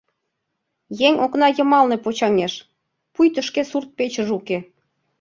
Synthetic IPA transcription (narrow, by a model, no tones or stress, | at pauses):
jeŋoknɑjə̆mɑlnepot͡ɕɑŋeʃ | pujt̪əʃkesurt̪̚pet͡ɕəʒuke